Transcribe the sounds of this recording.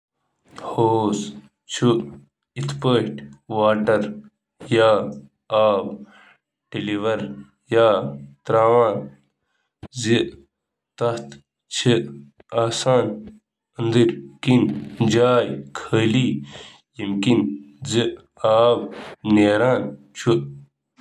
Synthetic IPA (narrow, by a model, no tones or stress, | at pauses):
hoːs | t͡ʃʰu | it̪ʰpəːʃʈʋaːʈɐɾ | jaː | aːb | ɖiliʋɐɾ | jaːt̪ɾaːʋaːn | zi | t̪ɐht̪ | t͡ʃʰi | aːsaːn | ənd̪iɾkind͡ʒaːjkʰəːliː | jimkinzi | aːbneːɾaːn | t͡ʃʰu